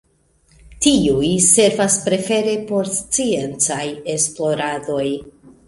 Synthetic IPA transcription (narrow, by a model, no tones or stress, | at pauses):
tiujse̞ɾvaspɾe̞fe̞ɾe̞po̞ɾst͡sie̞nt͡saje̞splo̞ɾado̞j